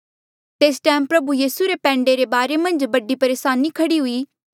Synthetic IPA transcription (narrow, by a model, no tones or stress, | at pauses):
t̪eːsʈɛːmpɾɐbujiːsuɾepɛ̃ːɳɖeɾebaːɾemɐ̃nd͡ʒbɐɖipɐɾeːʃaːnikʰɐɽiɦʊiː